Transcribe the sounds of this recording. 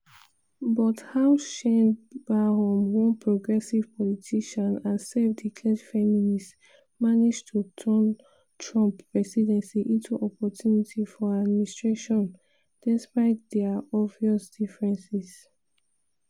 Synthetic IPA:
bɔthawʃɛ̃nbahɔ̃mwɔ̃npʰɹɔɡɹɛsiv̥pʰɔlitʰiʃɔ̃nãnsɛvdikʰlɛdfɛminist | manid͡ʒtʰutʰɜn | tʰɹɔ̃mpɹɛsidɛ̃nsiʔĩntʰuʔɔpɔtʰjunitʰifɔɹadministɹeʃɔ̃n | d̥ɛspaɪtdɛaɔviɔsd̥ifɹɛ̃nsis

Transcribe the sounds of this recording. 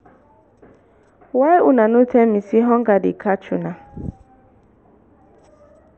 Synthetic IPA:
wajʔʊnanʊtɛmisiɦɔŋ̩ɡadɪ̰kʰat͡ʃuna

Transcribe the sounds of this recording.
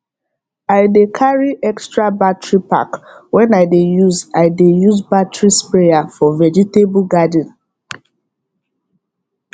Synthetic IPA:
aɪdekʰaɹiʔɛkstɹabatɹipa̰kwɛ̃naɪdejuzaɪdejuzbatɹispɹejafɔvɛd͡ʒitebɡadə̃n

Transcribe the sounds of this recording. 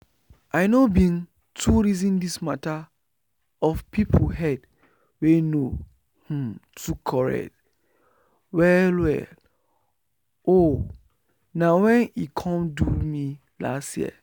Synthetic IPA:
ʔaɪnobĩn | tʰuɹizĩndismata | ɔfpʰipʰɦɛd | weno | hũtʰukʰɔɹɛ̰k̚t | wɛlwɛ̰l | o | nãwɛ̃nikʰɔ̃mdumi | la̰stjḭə̰

